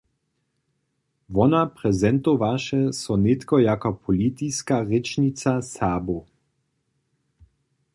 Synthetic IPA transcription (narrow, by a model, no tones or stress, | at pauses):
ʋɔnapʁɛzɛnt̪oʋaʃɛsɔnet̪kɔjakɔpʰɔlit̪iskaʁet͡ʃnit͡sasaːbu